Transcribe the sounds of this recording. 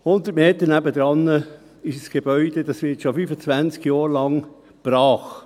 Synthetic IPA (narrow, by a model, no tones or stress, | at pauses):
hʊnd̪ətmeːt̪ənæbəd̪ɾɑnːə | ɪʃsɡ̥eb̥œʏd̥̪ed̥ɑsʋɪtʃofyfət͡sʋænt͡skjɔːɾlɑŋ | b̥ɾɑːχ